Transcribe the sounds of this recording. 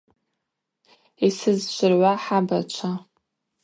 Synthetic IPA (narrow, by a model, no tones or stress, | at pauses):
isɨzʃʷɪrʕʷaħabat͡ʃʷʰa